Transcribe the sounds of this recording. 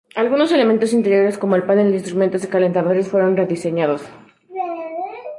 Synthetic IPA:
alɣuno̞se̞le̞ment̪o̞s̬int̪e̞ɾjo̞ɾe̞sko̞moelpanenlinst̪ɾume̞nt̪ozekale̞nt̪aðoɾesfwe̞ɾo̞nre̞ðise̞ɲaðos

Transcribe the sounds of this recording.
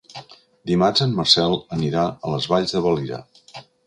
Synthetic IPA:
d̪imazanmərsɛlˠəniɾaələzβaʎzðəβəliɾə̰

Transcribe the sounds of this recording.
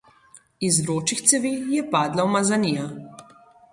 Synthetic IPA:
izɾoːt͡ʃixt̪sɛʋiːjɛpaːd̪lawmazaniːja

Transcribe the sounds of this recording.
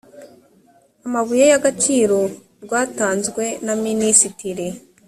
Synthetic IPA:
amaβujejaɡat͡ʃiːɾo̞ | ɾɡwaːtaːnzɡwe̞naminisitiɾe

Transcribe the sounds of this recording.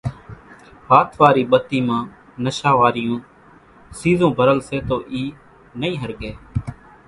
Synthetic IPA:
ɦaːt̪ʰʋaːɾiːɓət̪ːiːmãː | nəʃaːʋaːɾɪjõː | siːzõːbʱəɾəlseːt̪oːʔiː | nəĩːɦəɾɡeː

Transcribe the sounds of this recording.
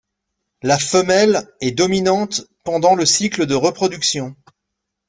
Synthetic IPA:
lafəmɛlɛd̪ɔminɑ̃t̪pɑ̃d̪ɑ̃ləsikləd̪əʁəpχɔd̪yksjɔ̃

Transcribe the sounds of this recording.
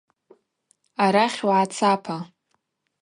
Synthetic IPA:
aɾaχʲwʕat͡sʰapʰa

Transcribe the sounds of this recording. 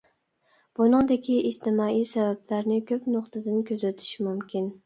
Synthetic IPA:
b̥unɨŋd̪ɪkʲʰiʔːd͡ʒt̪ʰɪmɑijsɛbæblaɾnɪkʲʰøpnʊqt̪ʰɨd̪ɪnkʲʰøzæt̪ʰɪ̥ʃmumkʲʰin

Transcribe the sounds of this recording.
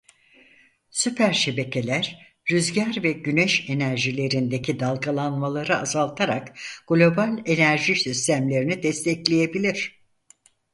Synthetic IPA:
sypʰæɾʃe̞be̞cʰe̞lʲæɾ | ɾyzɟæɾvɛɟynɛʃe̞næɾʒilʲe̞ɾind̪e̞cʰid̪alˠɡalˠanmalˠaɾɯazalˠt̪ʰaɾakɡ̥lʲo̞balʲe̞næɾʒisist̪ʰæmlʲe̞ɾinid̪ɛst̪ʰɛclʲeje̞bilʲiɾ̥

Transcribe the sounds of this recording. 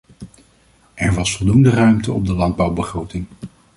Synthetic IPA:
ʔɛɹʋɑsfɔlˠdundərœɥmtəɔ̰b̚dəlɑnd̚bɑwbəχrowtɪŋ

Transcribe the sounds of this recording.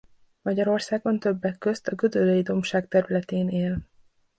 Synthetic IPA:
mɒɟɒɾo̞rsaːɡo̞nt̪ø̞bːɛkːø̞st̪ɒɡød̪ølejid̪o̞mʃaːkt̪ɛɾylɛt̪eːneːl

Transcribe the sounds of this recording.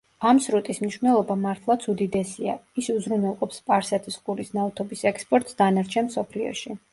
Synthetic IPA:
amsɾut̪ʼismniʃvnɛlˠɔbamaɾt̪ʰlˠat̪sʰud̪id̪ɛsiaisuzɾunɛlˠqʼɔpspʼaɾsɛt̪ʰisqʼuɾisnavt̪ʰɔbisɛkspʼɔɾt̪ʼsd̪anaɾt͡ʃʰɛnmsɔpʰliɔ̰ʃi

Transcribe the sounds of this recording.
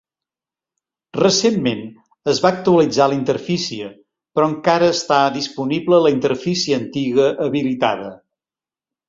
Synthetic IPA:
rəsemːen | əzβaək̚t̪uəlid͡zalint̪əɾfisiə | pɾɔəŋkaɾəːst̪aðispuniβləələint̪əɾfisiəːnt̪iɣəʔəβilit̪a̰ðə

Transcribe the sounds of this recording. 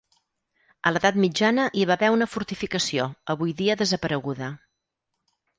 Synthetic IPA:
ələðat̪mid͡ʒanəʔiβaβɛunəfuɾt̪ifikəsioəβujðiəðəzəpəɾəɣuðə

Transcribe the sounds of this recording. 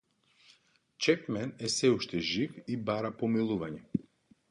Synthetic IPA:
t͡ʃɛpmɛnɛsɛuʃt̪ɛʒifibaɾapomilˠuvaɲɛ

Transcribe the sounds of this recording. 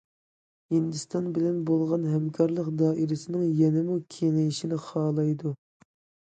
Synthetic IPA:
hind̪ɨst̪ɑnbɪlɛnbolˠʁɑnɦɛmkʲʰɑɾlˠəqd̪ɑːʔiɾɪsɪnɪŋjɛnɪmukʲʰeŋɪjiʃinɪχɑːlˠɑjd̪u

